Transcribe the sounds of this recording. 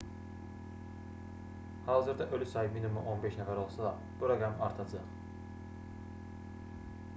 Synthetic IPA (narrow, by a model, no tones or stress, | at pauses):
hɑːzɯɾd̪æʔølʲysɑjɯminimuʔonbeʃnæfæɾo̞lˠsɑd̪ɑ | b̥uɾoɡɾamɑɾt̪ʰɑd͡ʒɯʁ